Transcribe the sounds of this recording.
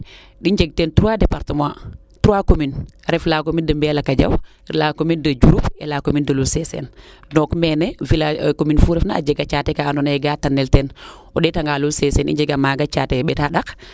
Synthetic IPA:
ɗiɲd͡ʒeɡ̚tentuɾuwadepaɾtəmã | tuɾuwakominɾɛflakomindəmbɛlakaɟa̰w | lakomindɐd͡ʒuɾupḛlakomindɐlulsesḛn | dɔkmeːnevilakominfuːɾɛfnaa̰d͡ʒeɡat͡ʃatekaːnonaɛɡatanːelten | oɗetaŋɡalulsesenḭɲd͡ʒeɡamaɡat͡ʃaːteɓɛtaɗak

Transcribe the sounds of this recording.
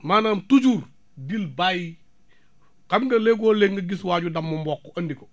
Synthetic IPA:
maːnamtuɟuɾ | bilbaji | kamɡɐleɡoːleŋɡɐɡiswaɟudamːumbɔkːoɐndiko

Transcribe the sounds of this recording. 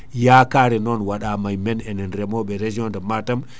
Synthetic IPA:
jakaːɾɛnɔnwaɗamajmɛnɛnɛnɾɛmɔɓɛɾed͡ʒiɔndɛmatam

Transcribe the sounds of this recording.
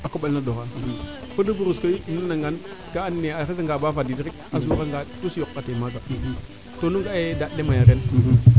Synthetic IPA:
akoɓalnadoɣa | faduɡuɾuskanunaŋɡan | kaanːeaxazaŋɡabavadidɾikazuɣaŋɡatusokːatemaɡa | tonuŋɡaedaɗemajaɾen

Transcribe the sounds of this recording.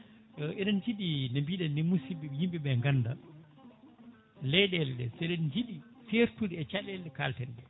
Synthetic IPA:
ɔʔɛɗɛnd͡ʒiɗinambiːɗɛimusibiɓjimbiɓɛŋɡanda | lɛjɗɛlɛɗɛsɛɗɛnd͡ʒiɗi | seɾtuɗiɛt͡ʃaɗɛlɗɛkaltɛndɛ

